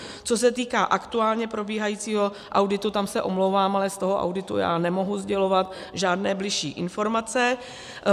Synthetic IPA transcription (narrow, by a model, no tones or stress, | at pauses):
t͡so̞s̬ɛt̪iːkaːʔakt̪uaːlɲɛpɾo̞biːɦajiːt͡siːɦo̞ | ʔawdɪt̪ut̪amsɛʔo̞mlowvaːmalɛst̪o̞ɦo̞ʔa̰wdɪt̪ṵja̰ːnɛmo̞ɦuzɟɛlo̞vat̪ | ʒaːdnɛːblɪʃiːʔɪnfo̞ɾmat͡sɛ